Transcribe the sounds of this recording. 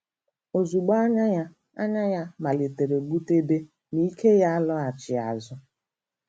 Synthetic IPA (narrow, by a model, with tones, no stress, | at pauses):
o˨zu˨ɡ͡ba˦ɲa˦ja˦ | a̰˦ɲa˦ja˦ma˨le˨te˨ɾe˨ɡ͡bu˦te˦de˦ | ni˦ke˦ja˦a˦lʊ˦a˨t͡ʃɪ˨a̰˨zʊ˦